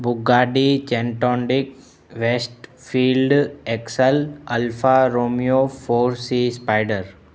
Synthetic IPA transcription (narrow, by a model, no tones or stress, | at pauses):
bʊɡaːɖit͡ʃẽɳʈɔ̃ːɳɖɪk | ʋesʈfʰiːlɖeksəlɐlfaɾoːmijofʰoːɾsispaɪɖəɾ